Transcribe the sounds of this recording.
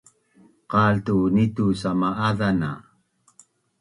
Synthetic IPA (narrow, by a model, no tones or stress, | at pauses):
qɑːlt̪unit̪usamaʔaðana̰